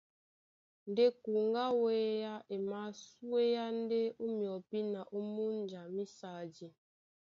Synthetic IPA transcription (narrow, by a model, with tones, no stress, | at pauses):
n˨de˦ku˨ŋ˦ɡa˦we˦ja˦e˨ma˨˦su˦e˦ja˦n˦de˦u˦mjɔ˨pi˦na˨ʔu˦mu˦n˨d͡ʒa˨mi˦sa˨d͡ʒi˨